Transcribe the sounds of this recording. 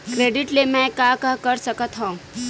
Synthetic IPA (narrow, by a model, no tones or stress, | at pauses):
kɾeɖiʈlemɛ̃kakakəɾsəkət̪ɦɔ̃